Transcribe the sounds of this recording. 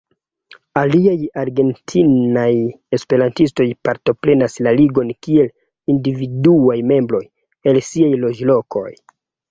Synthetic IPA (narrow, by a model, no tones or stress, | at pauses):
aliajaɾɡe̞ntʰinaj | e̞spe̞ɾantisto̞jpaɾto̞pɾe̞naslaliɡo̞nkie̞l | individuajme̞mbɾo̞j | e̞lsiajlo̞d͡ʒlo̞kʰo̞̰j